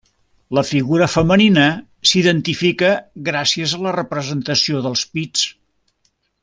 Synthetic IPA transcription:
ləfiɣuɾəfəməninə | siðənt̪ifikəɣɾasiəzələrəpɾəzənt̪əsioðəlˠspit͡s

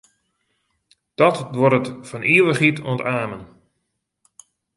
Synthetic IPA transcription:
d̥ɔtdwoɾətfɔniəʋəχitʰoəntaːmən

